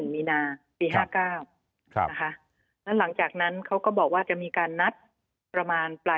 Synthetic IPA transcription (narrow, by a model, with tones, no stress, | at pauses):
ɯ˨˩ŋmiː˧naː˧ | piː˧ɦaː˥˩kaː˥˩w | kʰa˦˥ʔ | lɛ˦˥wla˩˦ŋt͡ɕaː˨˩k̚na˦˥nkʰa˦˥wkɔː˥˩bɔː˨˩k̚waː˥˩t͡ɕa˨˩ʔmiː˧kaː˧nːa˦˥t̪̚ | pɾa˧maː˧npla˧